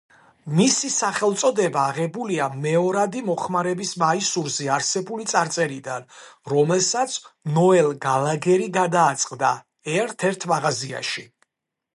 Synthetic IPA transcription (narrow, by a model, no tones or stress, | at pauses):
misisaχɛlˠt̪sʼɔd̪ɛbaːʁɛbuliamɛɔɾad̪imɔχmaɾɛbismaisuɾziaɾsɛbulit̪sʼaɾt̪sʼɛɾid̪anɾɔmɛlˠsat̪sʰnɔɛlˠɡalaɡɛɾiɡad̪aːt̪sʼqʼd̪a | ɛɾt̪ʰɛɾt̪ʰmaʁazia̰ʃi